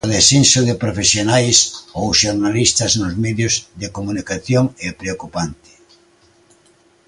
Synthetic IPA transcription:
oðesinsoðɪpɾofesjonajsowʃoɾnalist̪ɐznʊzmɛðjʊzðekomunikaθjoŋɛpɾeokupant̪ɪ̥

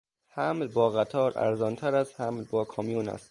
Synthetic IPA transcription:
hæmlbɒːɣæt̪ʰɒːɾʔæ̰ɾzɒːnt̪ʰæɾæzhæmlbɒːkʰɒːmijuːnæ̰st̪

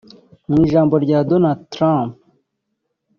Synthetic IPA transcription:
miːʒaːmbo̞ɾɟaːdonadtɾãmp

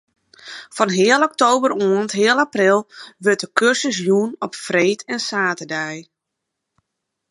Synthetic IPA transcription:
fɔnɦɪəlˠɔk̚towbəɾuəntɦɪəlˠaprɪlˠʋøt̚əkʰørsəs̬junɔpfreːtʰɛnsaːtədɛj

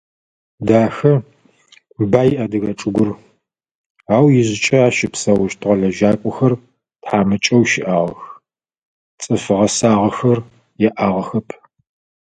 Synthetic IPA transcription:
daːxɐ | baːjʔɐdɨɣɐʈ͡ʂʼɨɡʷʊr | aːwjɪʑɪt͡ʃʼɐaːʃɪpsɐwʊʃtʰʁɐɮɐʒaːkʷʼʊxɐr | tħaːmɨt͡ʃʼɐwʃɪʔaːʁɐx | t͡sʼɨfɨʁɐsaːʁɐxɐr | jɛʔaːʁɐxɐpʰ

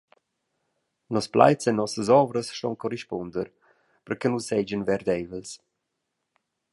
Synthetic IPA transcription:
nɔspla̰jt͡sɛnɔsəzɔvɾəsʃtɔ̰nkɔɾiʃpɔnd̪əɾ | pəɾkənusɛd͡ʒənvɛɾd̪ɛjvəls

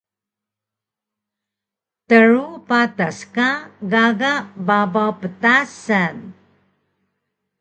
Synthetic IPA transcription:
təɾupataskaɡaɡaʔbabawpətasan

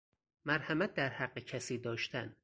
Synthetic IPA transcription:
mæɾhæmæt̪̚d̪æɾhæɢːecʰæsiːd̪ɒːʃt̪ʰæn

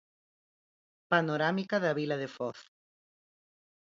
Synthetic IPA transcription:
panoɾamikaðaβilaðefɔθ

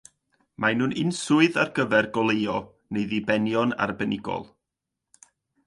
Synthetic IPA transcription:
majnunʔɪnsʊɨðarɡəvɛrɡɔlˠeɨɔ | neɨðibɛnjɔna̰rbɛnɪɡɔ̰lˠ

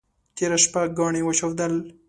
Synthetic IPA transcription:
t̪eɾaʃpaɡɑɳewaʃawd̪al

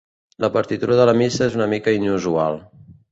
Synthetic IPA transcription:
ləpəɾt̪it̪uɾəðələmisəezunəmikəinuzualˠ

